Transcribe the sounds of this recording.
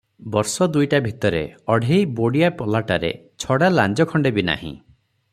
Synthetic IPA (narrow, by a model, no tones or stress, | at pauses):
bɔɾsɔd̪ujʈabʱit̪ɔɾḛɔɽʱejboɽijapɔlaʈaɾḛ | t͡ʃʰɔɽaland͡ʒɔkʰɔɳɖebina̰hḭ̃